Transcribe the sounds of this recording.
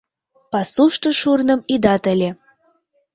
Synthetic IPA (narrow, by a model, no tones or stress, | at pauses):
pɑsuʃt̪oʃurnə̆mid̪ɑt̪ə̆lʲe